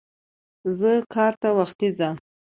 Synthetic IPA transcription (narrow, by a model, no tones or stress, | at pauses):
zəkʰɑɾt̪awaxt̪id͡zam